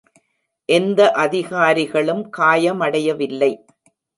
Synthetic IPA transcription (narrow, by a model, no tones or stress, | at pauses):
ʔɛnd̪ɐʔɐðɪɣaːɾɪɣɐɭɯmkaːjɐmɐɽɐjɐʋɪlːɐɪ